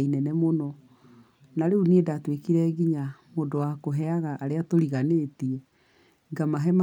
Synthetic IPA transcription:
inɛnɛmonɔ | naɾeuniedatwekiɾɛɣiɲamondowakoɦɛaɣaʔːɾeatoɾiɣaneːtiɛ | ɡamaɦɛma

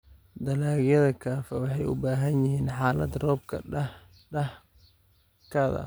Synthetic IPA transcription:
d̪ɐlaːɣjɐðɐkʰaːfɐwɑħɑjʊ̰baːɦɐnjɪɦiːnħɑːlɐ̰d̪rɔːb̚kʰɐɐ | ɐ | kʰɐːðɐ̰

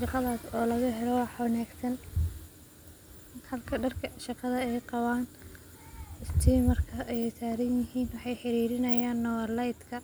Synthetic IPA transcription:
ʃɑqɑðaːsɔːlɐɣɐɦɛlɔwħwɑnaːɡsɐn | hɐlkʰɐɖɐrkʰɐʃɑqɑðɐɛjqɑwaːn | ɪst̪ʰiːmɐrkʰɐʔɛjsaːɾɐnjɪɦiːnwɑħɑjħɪɾiːɾɪnɐjaːnːɔwɐrlajt̪kʰɐ

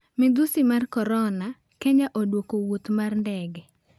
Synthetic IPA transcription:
mɪd̪usimarkɔɾɔna | kɛɲaʔodwokowut̪marndɛɡɛ

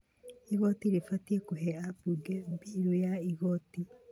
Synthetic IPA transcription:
iɣɔtiɾefatiɛkoɦɛabuɡɛbiɾojaiɣɔti

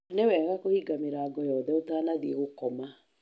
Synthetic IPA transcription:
nɛwɛːɣakohiɡameɾaːɡɔjɔːðɛotaːnaðieɣokɔma

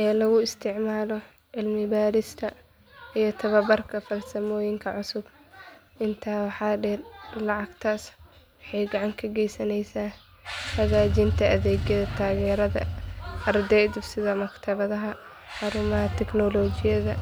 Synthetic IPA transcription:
ʔɛːlɐɣʊɪst̪ʰɪʕmaːlɔ | ʕɪlmɪbaːɾɪst̪ʰɐ | ijɞt̪ʰɐβɐbɐrkʰɐfɐlsɐmɔːjɪŋkʰɐʕʊsʊb | ʔɪnt̪ʰaːwɑħɑːɖɛːrlɑʕɑɡt̪ʰaːs | wɑħɑjɡɑʕɑŋkʰɐɡɛjsɐnɛjsaː | hɐɣaːd͡ʒɪnt̪ʰɐʔɐðɛːɡjɐðɐt̪ʰaːɣɛːɾɐðɐ̰ʔɐrd̪ɛːd̪ɪbsɪðɐmɐkt̪ʰɐβɐðɐɦɐ | ħɑɾʊmɐɦɐt̪ʰɛɡnɔlɔːt͡ʃɪjɐðɐ

